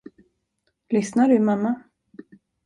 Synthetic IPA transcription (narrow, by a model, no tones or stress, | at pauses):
lʏsnaɖɵmamːa